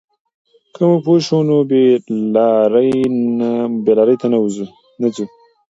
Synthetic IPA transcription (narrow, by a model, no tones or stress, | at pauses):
kʰəmupoʃonobelɾj | belaɾəjt̪anauzu | nat͡su